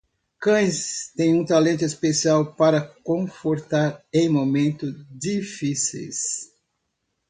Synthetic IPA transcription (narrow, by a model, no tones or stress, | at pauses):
kɐ̃j̃st̪ẽj̃ũt̪alẽnt̪ʊespesiawpaɾɐkõfoɾt̪aɾẽj̃momẽnt̪ʊzd͡ʒifisḛjs